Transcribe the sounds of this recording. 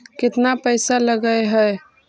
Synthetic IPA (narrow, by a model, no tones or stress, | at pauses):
kɪt̪napəjsaləɡəjɦəj